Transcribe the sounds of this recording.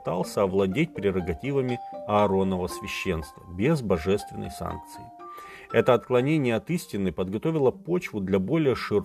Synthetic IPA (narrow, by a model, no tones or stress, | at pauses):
t̪alˠsʲəɐvlˠɐdʲet̚ʲpɾʲɪɾəɡɐtʲivəmʲɪɐɐɾo̞nːəvəsvʲɪɕːenst̪vəbʲezbɐʐɛst̪vʲɪ̰nːə̰jsa̰nk̚t̪sɨɪ | ɛt̪əɐt̪klˠɐnʲenʲɪjəɐt̪isʲtʲɪnːɨpəd̪ɡɐt̪o̞vʲɪlˠəpo̞t͡ɕvʊd̪lʲɐbo̞lʲɪjəʂɨɾ